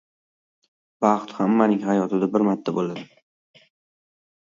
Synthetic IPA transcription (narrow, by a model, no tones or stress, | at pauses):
b̥ɑχt̪hamːanɪŋɦajɒt̪ʰɪd̪abɪɾmat̪ʰːabolad̪ɪ